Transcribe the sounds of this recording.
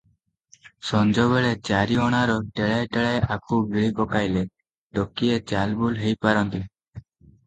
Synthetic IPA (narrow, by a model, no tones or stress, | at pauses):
sɔnd͡ʒɔβeɭet͡ʃaɾiɔɽ̃aɾɔʈeɭajʈeɭajʔakuɡiɭikɔkajle | ɖokiet͡ʃalbulɦejpaɾɔnt̪i